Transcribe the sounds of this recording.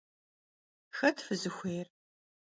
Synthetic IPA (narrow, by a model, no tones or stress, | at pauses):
xɐtʰfɨzɨxʷejr